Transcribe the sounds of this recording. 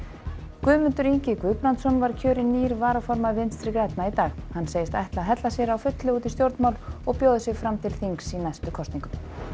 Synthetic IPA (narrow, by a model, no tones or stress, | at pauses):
kvʏːmʏnt̪ʏɾiɲcɪkvʏːpɾant̪sɔnvaɾ̥cʰœːɾɪnːiːɾvaːɾafɔɾmaðvɪnt̪st̪ɾɪkɾɛt̪nait̪aːɣhanːseːjɪst̪ajht̪laðɦɛt̪lasjɛɾawfʏt̪lɪuːt̪ist̪jowɾt̪mawlɔɣpjoːwðʏsjɛɣfɾamt̪ʰɪlθiŋksinajst̪ʏkʰɔst̪niŋkʏm